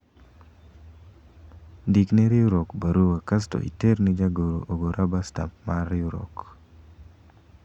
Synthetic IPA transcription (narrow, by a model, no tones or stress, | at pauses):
dikneɾɪuɾokbaɾuwakas̬to̰ʔḭteɾned͡ʒaɡoɾo̰ʔoɡoɾʔabasta̰p̚marːɪuɾo̰k